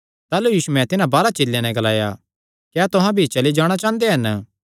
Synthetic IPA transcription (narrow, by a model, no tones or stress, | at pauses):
t̪aːlujiːsumɛ̃t̪ɪnãbaːɾat͡ʃɪlːjãnɛ̃ɡɐla̰ːja̰ | kɛːt̪ʊɦãbʱit͡ʃɐlid͡ʒaːɽ̃at͡ʃaːnd̪eɦɐn